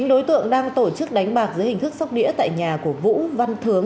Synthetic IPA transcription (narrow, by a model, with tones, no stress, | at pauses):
ŋ̟ɗo˨˦jt̪ɨ̰˧˨əŋɗaː˧ŋt̪o˧˩t͡ɕɨ˦˥k̚ɗa˨˦jŋ̟ɓaː˨˩k̚zɨː˨˦jhï˨˩ŋ̟t̪ʰɨ˦˥k̚sa˦˥wk͡p̚ɗḭ˧˥ət̪a̰ː˧˨jɲaː˨˩ku˧˩əvṵ˧˥va˧nt̪ʰɨ˨˦əŋ